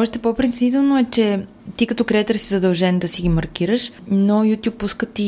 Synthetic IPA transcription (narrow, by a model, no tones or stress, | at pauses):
ɔʃt̪ɛpopɾɪnt̪sʲit̪ɛlˠnoɛt͡ʃɛ | t̪ikɐt̪ɔkɾɛt̪əɾsizɐd̪ɐlˠʒɛnd̪ɐsiɡimɐɾkiɾəʃ | nojut̪ʲjupːuskət̪i